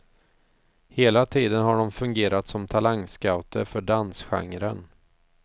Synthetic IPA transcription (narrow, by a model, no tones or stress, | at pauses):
heːlat̪ʰiːd̪ənɦhaɖɔmfɵŋɡeːɾat̪sɔmt̪ʰalaŋskaʊt̪ʰəfœɖansɧa̰ŋɾən